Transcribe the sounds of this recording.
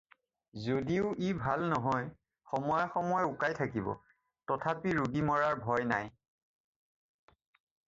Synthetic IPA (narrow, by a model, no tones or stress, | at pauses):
zodiʊʔibʱalnɔɦɔj | xɔmɔjxɔmɔjukajtʰakibɔ̰ | tɔtʰapiɹuɡimɔɹaɹbʱɔjna̰j